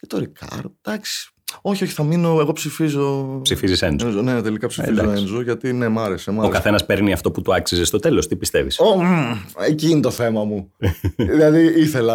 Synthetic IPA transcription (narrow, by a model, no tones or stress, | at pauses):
ce̥t̪o̞ɾikʰɐ̰ɾd̪̚d̪̥ɐksi̥ | o̞çioçi̥θɐmino̞e̞ɣo̞psifizo̞psifizisenzonet̪e̞likɐpsiizɐooenzoʝɐt̪ine̞mɐɾesemɐokɐθe̞nɐspe̞ɾniɐft̪o̞put̪uɐksizest̪ot̪e̞lo̞st̪ipist̪e̞vḭso | eciːnet̪o̞θe̞mɐmu | ðilɐðiiθe̞lɐ